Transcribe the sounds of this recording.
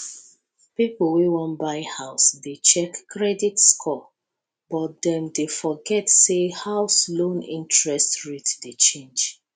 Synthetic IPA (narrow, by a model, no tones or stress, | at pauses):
pipl̩wiwɔ̃nbaɪhaʊsdet͡ʃɛkːɹɛditskʰɔ | bɔt̚dɛ̃mdefɔɡɛtsehaʊslõnḭ̃ntɹɛstɹitdet͡ʃẽnd͡ʒ